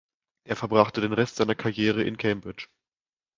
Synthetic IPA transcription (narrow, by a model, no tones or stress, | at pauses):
ʔeːɐfɛɐbʁaχtədeːnʁɛstz̥aɪnɐkʰaɐjeːʁ̞əʔɪ̰nkʰɛmbʁɪt͡ʃ